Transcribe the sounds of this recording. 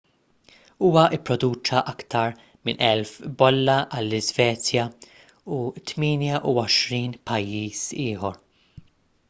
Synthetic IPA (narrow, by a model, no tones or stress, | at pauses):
uːwɐʔɪpːɾɔd̪uːt͡ʃɐʔɐkt̪ɐɾ | mɪnʔɛlfbɔlːɐʔɐlːɪzvɛːt͡sjɐ | ut̪miːnjɐʔuɔʃɾiːnpɐjːiːsɪːħɔɾ